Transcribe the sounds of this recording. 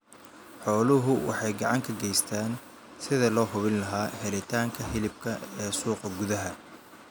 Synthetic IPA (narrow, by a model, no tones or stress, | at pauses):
ħɔːlʊɦʊwɑ̰ħɑjɡɑʕɑŋkʰɐɡɛjst̪ʰaːn | sɪðɐlɔːhʊβɪnlɐɦaːhɛɾɪt̪ʰaːŋkʰɐɦɪlɪb̚kʰɐɛːsuːqɐɡʊðɐɦɐ